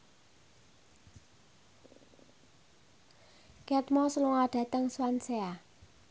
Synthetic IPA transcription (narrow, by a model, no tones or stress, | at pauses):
kɛt̪mɔsəluŋaɖ̥a̤t̪əŋswansea